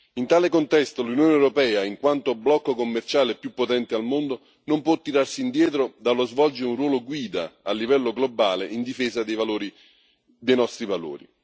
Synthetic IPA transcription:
int̪aːlɪkont̪ɛst̪olunjoːneɛwɾopɛːaiŋkwant̪oblɔkːokomːert͡ʃaːlepːjupːot̪ɛnt̪ɪalmond̪o | nompwɔt̪ːiɾarsiːnd̪jɛːt̪ɾod̪alːozvɔld͡ʒɪɾeunrwɔːloɡwiːd̪aalːivɛlːoɡlobaːleind̪ifeːzad̪ejvaloːɾi | d̪ejnɔst̪ɾivalo̰ːɾḭ

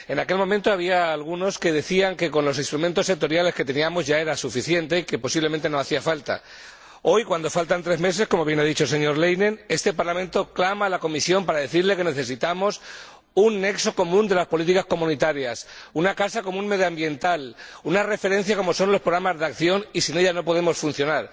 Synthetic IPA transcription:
e̞nake̞lmõ̞mẽnt̪o̞aβ̞iaːlɣuno̞ske̞ðe̞θiaŋke̞ko̞nlo̞sist̪ɾument̪osːe̞k̚t̪o̞ɾjale̞ske̞t̪e̞niamo̞zʝae̞ɾasufiθje̞nt̪e̞ike̞po̞siβle̞ment̪enoaθiafalt̪a̰ | o̞jkwand̪o̞falt̪ant̪ɾe̞zme̞s̬e̞sko̞mo̞β̞je̞naðit͡ʃo̞lse̞ɲo̞ɾle̞jnẽ̞ne̞st̪e̞paɾlamẽnt̪o̞klamalako̞misjo̞mpaɾaðe̞θiɾle̞ke̞ne̞θe̞sit̪amo̞s | unːe̞kso̞ko̞mũnd̪e̞laspo̞lit̪ikasko̞mũnit̪aɾjasunakasakomũnme̞ðjambje̞nt̪alunare̞fe̞ɾe̞n̟θjako̞mo̞so̞nlo̞spɾoɾamazðakθjo̞nisine̞ʎano̞po̞ðe̞mo̞sfunθjo̞naɾ

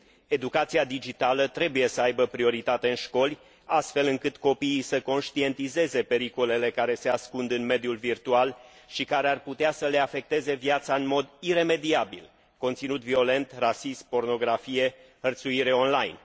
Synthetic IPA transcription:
e̞d̪ukat̪siad̪id͡ʒit̪alət̪ɾe̞buje̞səajbəpɾio̞ɾit̪at̪e̞ɨnʃko̞lʲ | ast̪fe̞lɨŋkɨt̪ko̞piːsəko̞nʃt̪ie̞nt̪ize̞ze̞pe̞ɾiko̞le̞le̞kaɾe̞se̞askund̪ɨnme̞d̪julvirt̪ual | ʃikaɾe̞arput̪easəle̞afe̞k̚t̪e̞ze̞viat̪saɨnmo̞d̪ire̞me̞d̪iabḭl | ko̞nt̪sinut̪vio̞le̞nt̪rasismpo̞rno̞ɡɾafije̞hərt̪suiɾe̞o̞nlajn

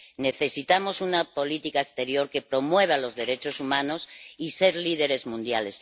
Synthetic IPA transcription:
ne̞θe̞sit̪amo̞sunapo̞lit̪ikaest̪e̞ɾjo̞ɾke̞pɾo̞mwe̞β̞alo̞zðe̞ɾe̞t͡ʃo̞sumãno̞sise̞ɾlið̞e̞ɾe̞zmũnd̪jale̞s

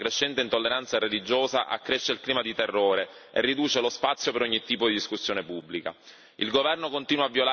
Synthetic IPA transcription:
kɾeʃːɛnt̪eint̪olːeɾant̪saɾelid͡ʒoːza̰ʔa̰kːɾeʃːeilkliːmad̪it̪erːoːɾe | ḛrːid̪uːt͡ʃelospat̪sːjopeɾoɲːit̪ːiːpod̪id̪iskusːjoːnepubːlika̰ | ilɡovɛrnokont̪iːnwaːvːjola

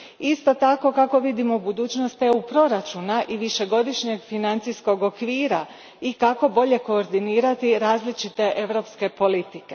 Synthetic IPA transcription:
ist̪o̞t̪ako̞kako̞ʋid̪imo̞bud̪uːt͡ʃnost̪eupɾo̞ɾat͡ʃunaʔiʋiʃe̞ɡo̞d̪iʃɲe̞ɡfinant̪sisko̞ɡo̞kʋiːɾa | ikako̞bo̞ʎe̞ko̞ːɾd̪iniːɾat̪iɾaːzlit͡ʃit̪e̞ʔe̞ʋɾo̞pske̞po̞lit̪ike̞

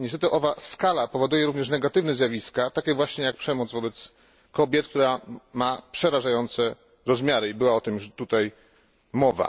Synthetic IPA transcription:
ɲɛst̪ɛt̪ɨʔɔvaskalapɔvɔd̪ujɛɾuvɲɛʂnɛɡat̪ɘvnɛzjavʲiskat̪akʲɛvwaɕɲɛjak̚pʂɛmɔd̪zvɔbɛt̪s | kɔbʲjɛt̪̚k̚t̪uɾamapʂɛɾaʐajɔnt̪sɛ | ɾɔzmʲjaɾɘibɘwaɔt̪ɘmjuʂt̪ut̪aj | mɔva̰

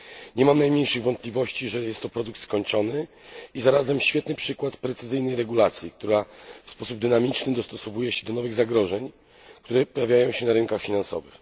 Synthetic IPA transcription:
ɲɛmamnajmɲejʂɘɣvɔnt̪̚plʲivɔɕt͡ɕiʐɛjɛst̪ːɔpɾɔd̪uk̚t̪skɔɲt͡ʂɔnɘizaɾazɛmɕfʲɛt̪nɘpʂɘkwat̪pɾɛt̪sɘzɘjnɛjɾɛɡulat̪sʲjik̚t̪uɾafspɔsub̚d̪ɘnamʲit͡ʂnɘd̪ɔst̪ɔsɔvujɛɕɛd̪ɔnɔvɘɣzaɡɾɔʐɛɲ | kt̪uɾɛpɔjavʲjajɔ̃w̃ɕɛnaɾɘŋkaxfʲinansɔ̰vɘ̰x

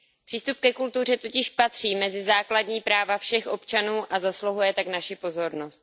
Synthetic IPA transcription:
pr̥iːst̪up̚kɛkult̪ur̝ɛt̪ocɪʃpat̪r̝̥iːmɛzɪzaːkladɲiːpɾaːvafʃɛxʔo̞pt͡ʃanuːʔazasloɦujɛt̪aknaʃɪpo̞zo̞ɾno̞st̪

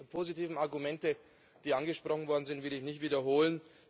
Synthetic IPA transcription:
pʰoːzitiːvn̩aɐɡumɛntə | d̥iːʔanɡəʃpʁ̥ɔχn̩vɔɐdn̩zɪntvɪləɪçnɪçtv̥iːdɐɦoːlən

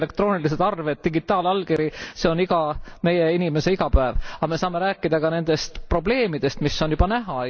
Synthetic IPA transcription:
le̞k̚t̪ro̞ːnilis̬ed̪ɑrvet̪̚ːiɡ̥it̪ːˑɑːlɑlɡiɾise̞o̞niɡ̥ɑme̞jeinʲime̞se̞iɡ̥ɑpæevɑme̞sɑːme̞ɾæːkːˑid̪̥ɑkɑne̞nd̪̥e̞st̪pro̞ble̞ːmid̪̥e̞st̪misːo̞njub̥ɑnæɦɑ

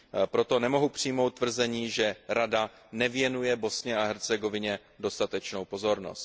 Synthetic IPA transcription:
pɾo̞t̪o̞nɛmo̞ɦupr̝̥ijmo̞wt̪ːvr̩zɛɲiːʒɛɾada | nɛvjɛnujɛbo̞sɲɛaɦɛɾt͡sɛɡo̞vɪɲɛ | do̞st̪at̪ɛt͡ʃno̞wpo̞zo̞ɾno̰st̪

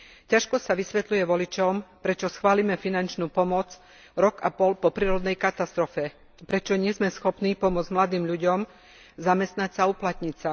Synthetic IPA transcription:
caʃkɔsaʋisʋɛt̪lujɛʋɔlit͡ʃɔmpɾɛt͡ʃɔsxʋaːlimɛfinant͡ʃnuːpɔmɔt͡s | ɾɔɡa̰pɔlpɔpɾiːɾɔd̪nɛjkat̪ast̪ɾɔfɛ | pɾɛt͡ʃɔɲɪɛzmɛsxɔpniːpɔmʊɔd͡zmlad̪iːmʎuɟɔm | zamɛst̪nacsauplat̪ɲisa

